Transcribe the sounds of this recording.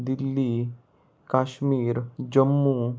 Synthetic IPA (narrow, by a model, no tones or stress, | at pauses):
d̪ilːi | kaːɕmiːɾd͡ʑəmːu